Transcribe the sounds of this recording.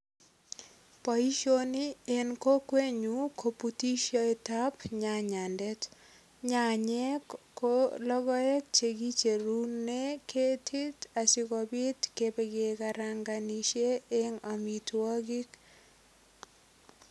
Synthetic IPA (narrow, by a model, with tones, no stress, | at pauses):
pɔ˨i˦ʃo˦ni˦e˨nko˦kwe˦ɲu˨kʰo˨puti˦ʃɔ˦e˨ta˦pɲa˨ɲa˨ndɛ˦t | ɲaɲɛ˦kːolɔ˦ɡɔ˦ɛ˦kt͡ʃe˨ɡi˦t͡ʃe˨ɾunnːe˦kʰe˦tʰɪ˦ta˨sɪ˦kɔ˨bɪ˦tkebe˨ɡe˨kaɾaŋɡa˨ni˨ʃe˦eŋa˨mi˨twɔ˦ɡi˦k